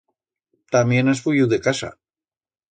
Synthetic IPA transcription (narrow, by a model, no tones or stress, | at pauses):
t̪amjenasfujiwðekasa̰